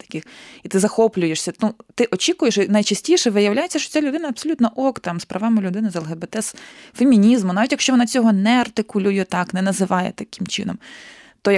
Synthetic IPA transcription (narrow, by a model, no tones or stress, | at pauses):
t̪ɐ̥kʲɪxit̪ɪzɐxɔplʲʊjeʂsʲɐnut̪ɪʔɔt͡ʃʲikʊjeʃinɐjt͡ʃɐsʲtʲiʃɛʋɪjɐwlʲajet͡sʲːɐʃt͡ʃɔ̥t͡sʲalʲʊd̪ɪnɐɐbsɔlʲut̪nɔʔɔkt̪ɑmspɾɐʋɑmɪlʲʊd̪ɪnɪzɛlˠɦebet̪ɛsfemʲinʲizmʊnɑʋʲitʲjɐkʃt͡ʃɔʋɔnɑt͡sʲɔɦɔnɛɐrt̪ɪkʊlʲujɛt̪ɑknɛnɐzɪʋɑjɛ̰t̪ɐkʲɪmt͡ʃɪ̰nɔm | t̪ɔjɐ